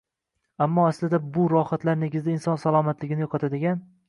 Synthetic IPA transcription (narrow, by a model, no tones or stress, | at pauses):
amːɒaslɪd̪abʊɾɒhat̪laɾneɡʲɪzd̪ainsɒnsalˠɒmat̪lɪɡʲɪnɪjɒqʰɑt̪ʰad̪ɪɡʲan